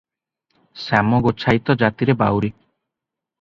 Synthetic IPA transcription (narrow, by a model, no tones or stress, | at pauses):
samɔɡot͡ʃʰajt̪ɔd͡ʒat̪iɾeba̰wɾi